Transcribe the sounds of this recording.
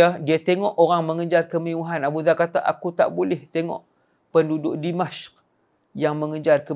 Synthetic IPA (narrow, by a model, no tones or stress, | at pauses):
adiat̪eŋɔʔoɾaŋməŋəd͡ʒarkəmiuɦanabuzakat̪aʔa̰kut̪a̰ʔbulɛht̪eŋɔ̰ʔ | pəndudʊʔdimaʃk̚ | jaŋməŋəd͡ʒarkə